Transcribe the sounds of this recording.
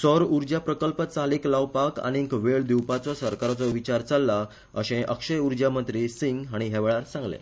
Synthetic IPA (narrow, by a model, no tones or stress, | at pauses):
sɔɾuɾd͡ʑjapɾəkəlpət͡saliklawpaka̰ɽ̃ikʋeɭd̪iwpat͡sɔsəɾkaɾat͡sɔʋit͡ɕaɾt͡salːa | əɕẽʔəkʂəjuɾd͡ʑjamənt̪ɾiːsiŋɡɦaɽ̃iɦeʋeɭaɾsãŋɡlḛ̃